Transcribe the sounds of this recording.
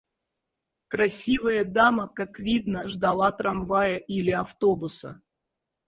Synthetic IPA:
kɾasʲivəjəd̪aməkakvʲid̪nəʐd̪alˠat̪ɾamvajəʔilʲɪaft̪obusə̰

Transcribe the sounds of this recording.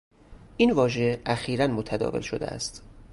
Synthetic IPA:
ʔiːnvɒːʒeʔæxiːɾænmot̪ʰæd̪ɒ̰ːvelʃod̪ḛæ̰st̪

